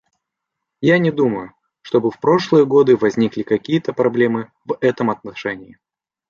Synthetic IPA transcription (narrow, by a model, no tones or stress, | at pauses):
janʲɪd̪uməjʊ | ʂt̪o̞bɨfpɾo̞ʂlˠɨjəɡo̞d̪ɨvɐzʲnʲiklʲɪkɐkʲijət̪əpɾɐblʲe̞mɨ | vɛt̪əmɐt̪̚nɐʂɛnʲɪɪ